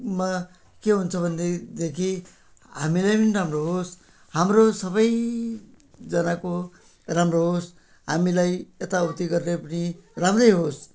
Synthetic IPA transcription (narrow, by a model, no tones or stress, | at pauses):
ma | keɦunt͡sʰʌbʱʌnːed̪ekʰi | ɦamilajpʌniɾamroɦos | hamrosʌbʌj | d͡zʌnako | ramroɦos | ɦamilajet̪aut̪iɡʌrnepʌniramrʌjɦos